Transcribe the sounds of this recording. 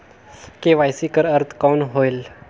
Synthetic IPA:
keʋajsikəɾəɾt̪ʰkawnɦojl

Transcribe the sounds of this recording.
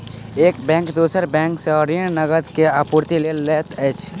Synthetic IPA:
eːkbɛ̃ŋkd̪uːsəɾbɛ̃ŋkseɔɾiəɽ̃nəɡəd̪keapuɾt̪ilelːeːt̪ɛt͡ʃʰ

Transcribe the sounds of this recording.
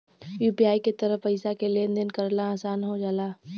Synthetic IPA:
juːpiaːiket̪əɾəfəɪsakeleend̪ənkɐɾnaaːsaːnɦod͡ʒaːlaː

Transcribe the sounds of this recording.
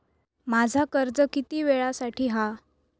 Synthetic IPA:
mad͡zʱakəɾd͡zəkit̪iːʋeɭasaʈʰiːɦa

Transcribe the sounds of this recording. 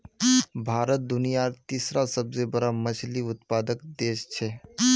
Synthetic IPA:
bʱaɾət̪̚d̪unijaɾt̪isɾasəbd͡zebəɾaməsʰliːut̪pad̪əkd̪eɕt͡ʃʰe

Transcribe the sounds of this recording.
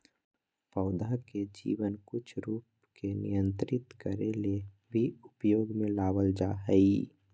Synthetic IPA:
pəːd̪aked͡ʒḭːwənkʊt͡ʃʰɾuːp | kenɪ̰jə̃nt̪ɾɪt̪kəɾele | bʱiʊpjoːɡmẽlaːwəld͡ʒaɦəi

